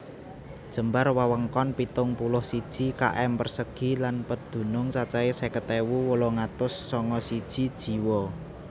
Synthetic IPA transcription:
d̥ʒ̥ə̤mbarwawəŋkɔnpit̪ʊŋpulʊhsid̥ʒ̥i̤ka̰ʔɛmpərsəɡ̥i̤lanpəd̪̥ṳnʊŋt͡ʃat͡ʃaesekət̪ewuwolɔŋat̪ʊsːɔŋɔsid̥ʒ̥i̤d̥ʒ̥i̤wɔ

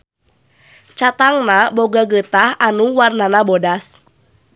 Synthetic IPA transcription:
t͡ʃat̪aŋnabɔɡaɡət̪ahanuwarnanabɔdas

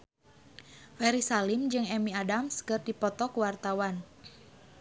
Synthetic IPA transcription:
fɛɾisalimd͡ʒɨŋɛmiadamskərd̥ipɔt̪ɔkuwart̪awan

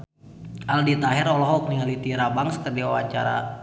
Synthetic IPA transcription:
ʔaldit̪aɦɛɾɔlɔɦɔuk̚niŋalit̪iɾabaŋsə̥kərdiwawa̰t͡ʃa̰ɾa̰

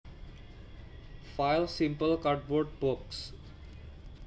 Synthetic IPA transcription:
fajlsimpəlkard̚bɔrɖ̚boks

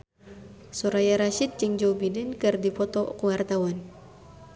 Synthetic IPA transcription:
suɾajaɾaʃit̪̚t͡ʃiŋd͡ʒobidɛnkɨrdipɔt̪ɔkuwart̪awan

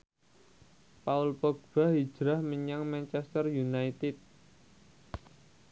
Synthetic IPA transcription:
paulpɔɡ̚b̥a̤hi̥d͡ʒ̥ɾahməɲaŋmant͡ʃɛst̪ərjunajt̪ɪt̪̚

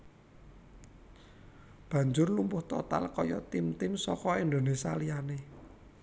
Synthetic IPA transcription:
b̥ä̤ɲd͡ʒʊrlumpʊht̪ɔt̪a̰lkɔjɔt̪ɪmt̪ɪmsɔkɔind̪o̤nesa̰lijane

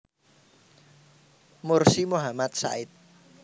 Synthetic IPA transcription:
mʊrsimuɦamat̪̚sa̰ɪt̪̚

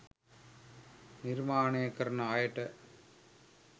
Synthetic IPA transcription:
niɾmaːɳeɐkːɐɾɐnɐaːjɐʈːɐ

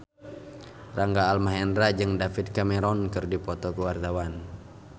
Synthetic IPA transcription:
raŋɡaːlmaɦɛndɾad͡ʒɨŋdafit̪̚kamɛɾɔnkɨrdipɔt̪ɔkəwart̪awan

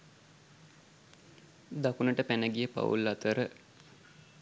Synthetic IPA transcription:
d̪akunəʈəpænəɡijəpa̰wṵlːat̪əɾə

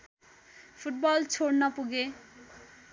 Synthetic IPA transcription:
pʰuʈ̚bʌlt͡sʰoɽnʌpuɡe

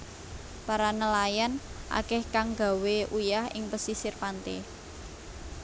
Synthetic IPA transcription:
paɾanəlajanʔa̰kɛhkaŋɡa̤weʔujahɪ̰ŋpəsisɪrpant̪ḛ

